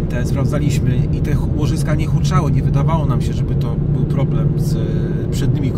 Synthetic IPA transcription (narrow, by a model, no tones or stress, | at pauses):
t̪ɛspɾavd̪zalʲiɕmɘit̪ɛxwɔʐɘskaɲɛxut͡ʂawɘɲɛvɘd̪avawɔnamɕɛʐɛbɘt̪ɔ | bɘwpɾɔblɛmz | pʂɛd̪̚ɲimʲik